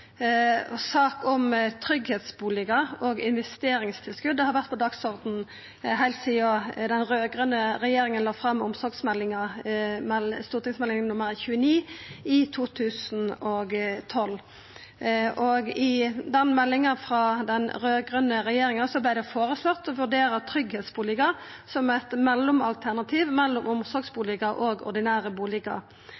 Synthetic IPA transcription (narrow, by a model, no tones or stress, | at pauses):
sɑːkɔmt̪ʰɾʏɡhɛːt̪sbuːlɪɡəɔɡɪnʋɛst̪eːɾɪŋst̪ʰɪlskʉd̪ːəhɑɾʋæʁt̪̚pʰɔd̪ɑɡsɔʁd̪n̩ | ɦæɪlt̪siːɔd̪ɛnʁøːɡʁənəɾɛjeːɾɪŋənlɑːfʁɑmːʊmsɔɾɡsmɛlːɪŋɑmɛlst̪uːʁt̪ʰɪŋsmɛlɪŋnʊməɾçʉːəniːɪt̪ʰuːt̪ʰʉːsn̩oːɡt̪ʰɔlː | ʔɔɡɪd̪ɛnmɛlːɪŋɑfʁɑd̪ɛnʁøːɡʁənəɾɛjeːɾɪŋɑsɔblæɪd̪ɛfoːɾəslɔt̪ːɔʋʉʁɖ̪eːɾət̪ʰɾʏɡhɛːt̪sbuːlɪkə | sɔmæt̪mɛlːʊmɑ̰lt̪ʰæʁnɑt̪ʰiːʋmɛlːʊmʔʊmsɔɾɡsbuːlɪkɑʔoɡɔ̰ʁd̪ɪnæːʁəbuːlɪkɑ̰ɾ